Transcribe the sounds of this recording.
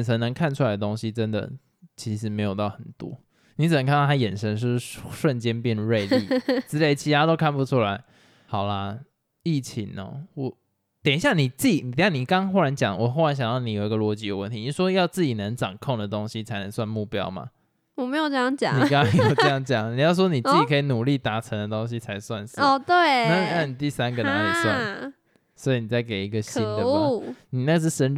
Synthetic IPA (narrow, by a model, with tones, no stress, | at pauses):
nʂʰə˧˥nnə˧˥ŋkʰa˥˨nʈ͡ʂʰu˥a˧ɪd̪ə˩t̪o˥ŋɕi˦ʈ͡ʂə˦nd̪ə̰˨ | t͡ɕʰi˧˥ʂɻ̩˧˦me˧˥ɪjo˨˩ʊt̪ɑ˥˩ʊxə˨˩nt̪wɔ̰˥ | ni˧˥t͡sɨ˨˩ə˨˦ka˥˧nʰ˥˧˩t̪ʰa˥jɛ˨˩nʂə˧˥ŋʂ̬ɻ̩˥˩ʂwə˥˨nt͡ɕjɛ˥npjɛ˥˧n˧ɻe˥˧ɪlḭ˥˨t͡sɹ̩˥le˥˩ɪt͡ɕʰi˧˥t̪ʰa˥t̪o˥ʊkʰa˥˩npu˧˦ʈ͡ʂʰu˥la˧˦ɪ | hɑ˨˩ʊla˦ | i˥˩t͡ɕʰi˧˥ŋə̰˨˩wɔ˨˦ | t̪jɛ˨˩ni˧˩ɕja˥˩ni˨˩t͡s̩˥˩t͡ɕi˨˩˦ni˨˩˨ni˨˩kɑ˥ŋxo˥˧ʊɻa˧˦nt͡ɕjɑ˨˦ŋwɔ˨˩xo˥˩ʊɻa˧˦nɕjɑ˨˩ŋjɑ˥˩ni˧˥jo˨˩ʊi˧˥ɡə˨lwɔ˧˥t͡ɕi˧˥jo˨˩˦wə˥˩nt̪ʰi˨˧ni˨˩˦ʂwɔ˦˥jɑ˥˧ʊt͡sɹ̩˥˩t͡ɕi˨˩nə˧˦ŋʈ͡ʂɑ˨˩ŋkʰo˥˩ŋd̪ə˩t̪o˦˥ŋɕi˦t͡sʰa˧˥ɪnə˧˦ŋswa˥˧nmu˥˩pjɑ̰˦˥ʊma̰˨˩ | wɔ˨˩me˧˥ɪjo˨˩ʈ͡ʂə˥˧jɑ˥˩ŋt͡ɕjɑ̰˨n˦iŋ˩kɑ˥˦ŋ˧˥jo˨˩ʊə˥˧jɑ˥˩ŋt͡ɕjɑ˨˩ŋni˨˩jɑ˥˩ʊs̬ɔ˦ni˨˩t͡s̩˥˩i˨kʰə˧˥i˨nu˨˩li˥˨t̪a˧˥ʈ͡ʂʰə˧˦˥ŋd̪ə˨t̪o˦˥ŋɕ̬i˦t͡sʰa˧˥ɪswa̰˥˧˨nsɔ˧˩t̪we˥˩ɪna˥˩˨na˥˩ni˨˩t̪i˥˩sa˦nɡə˨na˧˦i˨˩swa̰˥˨n | swɔ˧˥i˨˦ni˨˩t͡sa˥˩ɪke˨˩ɪi˧˦ɡə˨ɕi˦˨nd̪ə˨˦˥ni˨na˥˩ɡə˧ʂ̬ɻ̩˥˩ʂə˧˦n